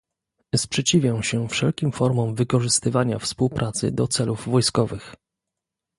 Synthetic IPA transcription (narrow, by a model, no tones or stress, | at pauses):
spʂɛt͡ɕivʲjãɕɛfʂɛlkʲimfɔɾmɔmvɘkɔʐɘst̪ɘvaɲafspuwpɾʔat̪sɘ̰d̪ɔt̪sɛluvvɔjskɔvɘx